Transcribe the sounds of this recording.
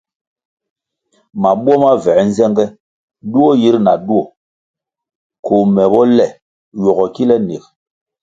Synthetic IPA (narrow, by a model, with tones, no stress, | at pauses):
ma˨ɓu˦ɔ˦ma˦vɛ˨˦n˦zɛ˦ŋɡɛ˦ | du˦ɔ˦ji˦ɾna˨du˦ɔ˨ | ko˨mɛ˨bɔ˦lɛ˨ | jɔ˨ɣɔ˨ki˦lɛ˦ne˨k